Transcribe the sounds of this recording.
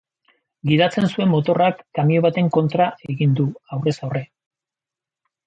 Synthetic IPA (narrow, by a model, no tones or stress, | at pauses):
ɡið̞at͡se̞nsue̞mːo̞t̪o̞rakːamio̞β̞at̪e̞ŋko̞nt̪ɾaʔe̞ɣind̪uawre̞sawre̞